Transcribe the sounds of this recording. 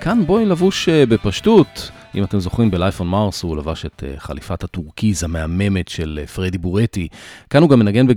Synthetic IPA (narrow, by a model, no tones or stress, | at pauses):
kʰanbo̞ilavuʃebe̞paʃtut | ʔḭmate̞mzo̞χimbelajfonmaʁsulavaʃe̞tḛχa̰lifathatuʁkizameame̞me̞tʃelfʁedibuʁetikanhuɡamːenaɡe̞nbe